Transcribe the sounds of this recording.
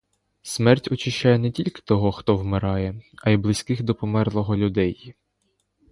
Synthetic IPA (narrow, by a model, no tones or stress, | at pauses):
smɛrtʲɔt͡ʃɪʃt͡ʃajɛnɛtʲilʲkɪ̥t̪ɔɦɔxt̪ɔwmɪɾɑjɛɐjblˠɪsʲkɪxd̪ɔpɔmɛrlˠɔɦɔlʲʊd̪ɛj